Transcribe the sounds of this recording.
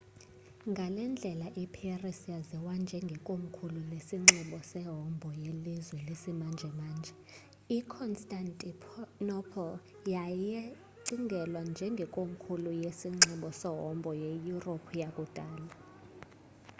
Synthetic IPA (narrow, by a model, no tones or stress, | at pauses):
ŋɡʱalɛnd͡ɮʱɛlaʔipʰierisjazɛwand͡ʒʱɛŋɡʱɛkʼom̩kʰululesiŋ͡ǁɛɓɔsɛɦɔmbʱɔjelizwɛlesimand͡ʒʱɛmaːnd͡ʒʱɛ | ikʰɔnstʼantʼipʰnɔpʰɔl | jaje | ǀiŋɡʱɛlwand͡ʒʱɛŋɡʱɛkʼom̩kʰulujesiŋ͡ǁɛɓɔsɛɦɔmbʱɔjejuropʰujakʼud̥ʱaːla